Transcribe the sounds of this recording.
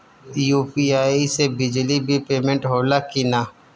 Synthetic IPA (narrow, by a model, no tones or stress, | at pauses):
juːpiaːisebɪd͡ʒlibʱipeːmẽɳʈɦoːlakina